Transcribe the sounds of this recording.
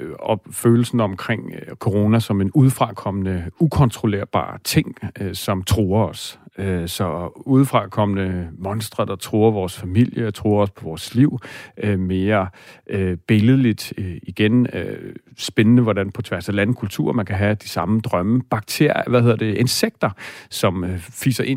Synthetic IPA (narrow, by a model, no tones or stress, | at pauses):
ɒ̽føːl̩sn̩ɒ̽mkʰʁeŋ̰kʰo̝ʁo̝næsɒ̽me̝nuð̞ˠfʁɑ̈kʰɒ̽mənəukʰɒ̽nt͡sʰʁo̝le̝ɐ̰b̥ɑ̰̈ːt͡sʰe̝ŋ̰sɒ̽mt͡sʰʁuːɐɒ̽søsɒ̽uð̞ˠfʁɑ̈kʰɒ̽mənəmɒ̽nsd̥ʁɐd̥ɑ̈t͡sʰʁuːɐʋɒːsfæmil̰jət͡sʰʁuːɐɒ̽spʰɒ̽ʋɒːsliʊ̰ʔøme̝ːɐʔøb̥e̝ləð̩ˠlid̥iɡ̥enø̰sb̥enənəʋɒdænpʰɒ̽t͡sʰʋæɐsælæn̩kʰult͡sʰṵɐ̰mænkʰæɦæd̥isɑ̈məd̥ʁɶməb̥ɑ̈ɡ̥̚t͡sʰe̝ɐ̰jʋæhe̝ð̰ˠɐd̥e̝ʔenseɡ̥d̥ɐsɒ̽mfḭːsɐʔe̝n